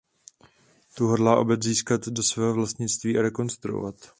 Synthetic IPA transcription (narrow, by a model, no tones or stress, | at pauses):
t̪uɦodlaːʔo̞̰bɛt͡sziːskat̪do̞svɛːɦovlast̪ɲɪt͡st̪viːʔaɾɛko̞nst̪ɾuo̰vat̪